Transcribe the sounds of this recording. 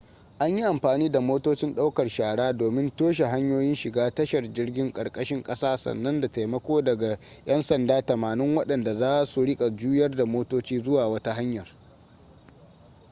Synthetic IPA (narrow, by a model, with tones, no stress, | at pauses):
ʔa˦ɲji˦ʔa˨mɸaː˨niː˦da˨moː˦toː˦t͡ʃɪ˦nɗa˦wkɐ˨rʃaː˨ɽaː˦doː˨mɪ˦ntoː˦ʃ̬e˨ɦa˦ɲjoː˦jɪ˦nʃɪ˨ɡaː˦tɐ˦ʃɐ˨rd͡ʒɪ˦rɡʲɪ˦ŋkʼɐ˨rkʼɐ˦ʃɪ˦ŋkʼɐ˦saː˦sɐ̰˨nːɐ˦nda˨ta˨jmɐ˦kʷoː˦dɐ˨ɡa˨ | jɐ˦nsɐ˨ndaː˦tɐ˨maː˨nɪ˦ŋwɐ˦ɗɐ˨nda˨zaː˦su˨ɽɪ˦kʼa˨d͡ʒuː˦jɐ˦rda˨moː˦toː˦t͡ʃiː˦zʊ˦waː˨wɐ˦ta˦ɦa˦ɲjɐ˨r